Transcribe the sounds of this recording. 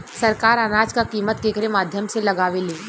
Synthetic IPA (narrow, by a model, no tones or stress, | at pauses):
sɐɾkaːɾənaːd͡ʒkakiːmət̪keːkəɾemaːd̪ʱjəmselɐɡaːʋeleː